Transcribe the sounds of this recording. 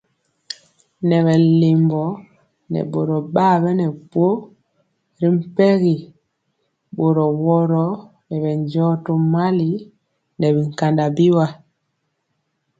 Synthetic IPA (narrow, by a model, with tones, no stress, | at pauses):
nɛ˨βɛ˨le˨mbɔ˨ | nɛ̰˨ɓo˨ɾɔ˨ɓa˦˨βɛ˦nɛ˨bwo˦ | ɾi˦m̩˦pɛ˦ɣi˨ | ɓo˨ɾɔ˨wɔ˦ɾɔ˦ | nɛ˨βɛ˨ɲd͡ʒɔ˦to˦ma˦li˦ | nɛ˨βi˨ŋ˨ka˨nda˨bi˦wa˨